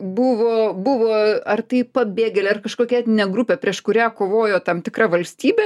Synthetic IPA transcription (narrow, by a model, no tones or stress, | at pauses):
bʊʋoːbʊʋoːɐrt̪ɐɪpɐbʲeːɡʲɛlʲɛːɐrkɐʃkoːkʲɛt̪ʲnʲɛɡɾʊpʲɛpʲɾʲiɛʃkʊɾʲæːkoːʋoːjoːt̪ɐmt̪ʲɪkɾɐʋɐlʲsʲt̪ʲiːbʲe